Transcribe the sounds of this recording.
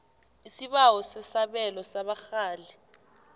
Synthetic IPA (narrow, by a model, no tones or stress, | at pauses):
isiɓawɔsɛsaɓɛlɔsaɓaxaːli